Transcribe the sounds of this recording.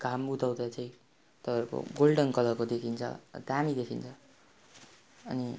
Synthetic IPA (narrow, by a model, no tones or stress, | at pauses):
ɡ̥ʱamut̪awd̪at͡saĩ | t̪ʌpaeɾko̰ɡolɖʌnkʌlʌkod̪ekʰint͡sʰʌ̰d̪amid̪ekʰint͡sʰʌ | ʌni